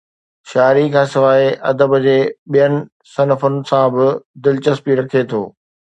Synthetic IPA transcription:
ʃaːɾikʰãːsɪʋaːɦeʔɐ̰d̪əbd͡ʑeːɓijənɪ̆ | sɐnəfʊnɪ̆sãbɪd̪ɪlt͡ɕəspiɾɐkʰet̪ʰo̰ː

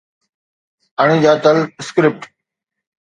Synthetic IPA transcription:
aɳ̃ĩːd͡ʑaːt̪əlskɾɪp̚ʈ

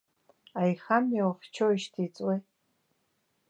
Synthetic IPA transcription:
ajχamawft͡ʃʰoiʃtʰit͡sʼwej

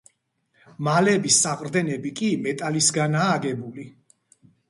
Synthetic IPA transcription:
malɛbisːaqʼɾd̪ɛnɛbikʼimɛt̪ʼalisɡanaːɡɛbuli

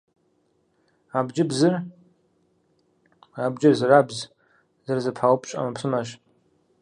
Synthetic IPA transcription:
abd͡ʒɪbzɨr | abd͡ʒɪrzarabz | zɨrzɨpʰħawpʰʼʃʷʼa̰mapʰsɨmaʃ

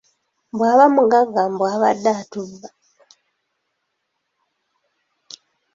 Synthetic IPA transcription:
mbwaːβamuɡaɡambwaːβa̰dːatuba

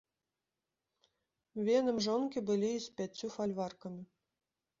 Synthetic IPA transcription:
vʲenɨmʐɔnkʲibɨlʲiisʲpʲæt͡sʲːufalʲvarkɐmʲi

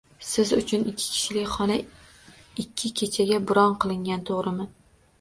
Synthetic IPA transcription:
sɪzʊt͡ʃʰʊnɪkʲʰːɪ̥kʲʰɪ̥ʃlɪkʲχɒna | ɪkʲʰːɪkʲʰet͡ʃʰaɡʲabʊɾɒnqʰɨlˠɪŋɡʲant̪ʰoʁɾɪmɪn

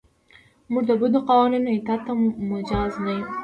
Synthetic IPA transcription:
muʐd̪əbud̪əqawɑninajt̪ɑt̪amʊd͡ʒɑznaj

